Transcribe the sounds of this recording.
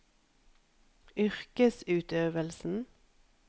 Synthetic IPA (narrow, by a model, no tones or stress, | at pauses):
ʏʁkəsʉːt̪øːʋəlsn̩